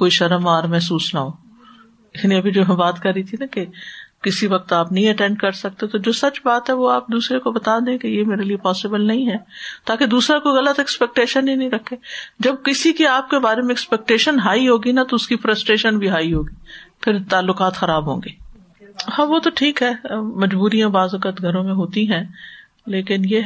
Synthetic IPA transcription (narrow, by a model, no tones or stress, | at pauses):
koːiʃɐɾəmaːɾmɛɦsuːsnaɦoː | ɪsnĩɐbʱid͡ʒoːɦɛ̃baːt̪kɐɾːit̪ʰinɐkekɪsiʋɐq̚t̪aːpnɐɦĩɐʈɛ̃ɳɖkɐɾsɐk̚t̪et̪od͡ʒoːsɐt͡ʃbaːt̪ɦɛʋoaːp̚d̪uːsɾekobɐt̪aːd̪ẽkejemeːɾeliepɔːsɪbəlnɐɦĩɦɛːt̪aːked̪uːsɾakoiɣɐlət̪ɛkspɛk̚ʈeːʃənĩnɐɦĩɾɐkʰːeːd͡ʒɐb̚kɪsikiaːp̚kebaːɾemẽɛkspɛk̚ʈeːʃənɦaːiɦoːɡinat̪oʊskifɾəsʈɾeːʃənbʱiɦaːiɦoːɡiːpʰɪɾt̪aːlːʊkaːt̪xɐɾaːbɦõːŋɡeː | hãːʋot̪oʈʰiːkɦɛːmɐd͡ʒbuːɾijãbaːzɐkət̪ɡʱɐɾõmẽɦoːt̪ĩɦɛ̃ː | leːkɪnje